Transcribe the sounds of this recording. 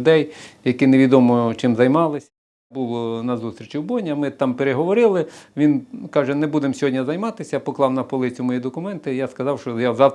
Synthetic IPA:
d̪ɛjjɐkineʋʲid̪ɔmɔt͡ʃɪmzɐjmɑlˠɪsʲɐ | bulˠɔnɐzust̪ɾʲit͡ʃʲiwbɔnʲɐmɪt̪ɑmpeɾeɦɔʋɔɾɪlˠɪʋʲinkɑʒɛnebud̪emsʲɦɔdʲnʲɐzɐjmɑt̪ɪsʲɐpɔklˠɑwnɐpɔlˠɪt͡sʲʊmɔjid̪ɔkʊmɛnt̪ɪjaskɐzɑwʃt͡ʃɔjazɑw̪

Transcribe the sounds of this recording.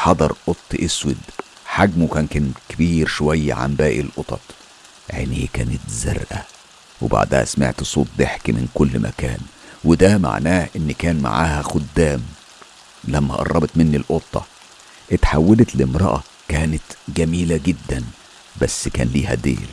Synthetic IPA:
ħɑd̪ˤɑɾˤʔot̪ˤːʔeswed̪ | ħaɡmukæːnkænkebiːɾʃowæjːæ̰ʕa̰mbæːʔilʔot̪ˤɑ̰t̪ˤ | ʕḛnihkæ̰ːnet̪zæɾˤʔæ | wḛba̰ʕd̪æhæ̰smḛʕt̪sˤoːt̪̚ˤːeħkimɪ̰nkolːmʔæ̰kæ̰ːn | wed̪æma̰ʕnæːhʔenːikæːnma̰ʕa̰ːhæxod̪ːæːm | læmːæ̰ʔɑ̰rˤːɑbet̪menːilʔot̪ˤːɑ̰ | ʔet̪ħawːælet̪lɪmɾˤɑ̰ʔɑ | kæːnet̪ɡæmiːlæɡed̪ːæn | bæsːkæ̰ːnliːhæ̰d̪ḛːl

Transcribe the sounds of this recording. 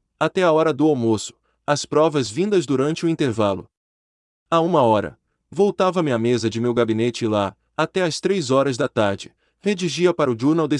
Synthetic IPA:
at̪ɛaɔɾɐd̪ʊawmosʊ̥ | ɐspɾɔvɐzvĩnd̪ɐzd̪uɾɐ̃nt͡ʃɪʊĩnt̪eɾvalʊ̰ | aũmɐɔɾɐ̰ | vowt̪avɐmɪamezɐd͡ʒɪmewɡabinet͡ʃɪla | at̪ɛɐst̪ɾejzɔɾɐzd̪ɐt̪aɾd͡ʒɪ | hed͡ʒiʒiɐpaɾʊd͡ʒuɾnawd̪e

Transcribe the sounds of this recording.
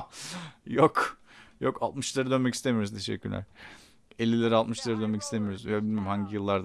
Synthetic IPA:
jokjokalˠt̪mɯʃlˠaɾɯd̪ø̞nmɛci̥st̪e̞mijo̞ɾuzt̪ʰeʃɛ̰cʰːyɾlʲæ̰ɾ̥ | elʲːilʲeɾialˠt̪mɯʃlˠaɾɯd̪ønmɛci̥st̪ʰemijoɾuzjɛbilmeɾmhaɲɟijɯlˠːaɾd̪

